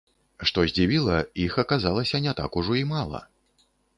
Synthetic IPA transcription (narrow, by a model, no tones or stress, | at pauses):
ʂt̪ɔzʲd͡zʲivʲilˠɐixɐkazalˠɐsʲɐnʲɛt̪a̰kuʐɔimalˠɐ̰